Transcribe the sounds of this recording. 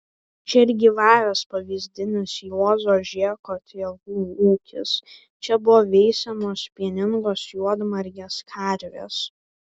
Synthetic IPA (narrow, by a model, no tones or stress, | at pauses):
t͡ʃʲɛɪɾʲɡʲɪʋɑːʋʲɛspɐʋʲiːzʲd̪ʲɪnʲɪsjuɔzoːʒʲiɛkoːt̪ʲiɛlˠuːuːkʲɪ̰s | t͡ʃʲɛbʊʋɔːʋʲɛɪsʲɛmoːspʲiɛnʲɪŋɡoːsjuɔd̪mɐɾʲɡʲeːskʰɐɾʲʋʲḛːs